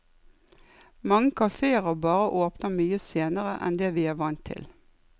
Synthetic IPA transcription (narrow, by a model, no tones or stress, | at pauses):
mɑŋːəkʰɑfeːəʁəbɑːʁəʔoːpnəmyːəseːnəʁəʔɛ̰nd̪eːʋiːæːʋɑnt̪ʰɪ̰l